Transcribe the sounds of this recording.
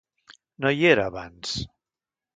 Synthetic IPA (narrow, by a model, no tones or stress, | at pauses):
nojeɾaβans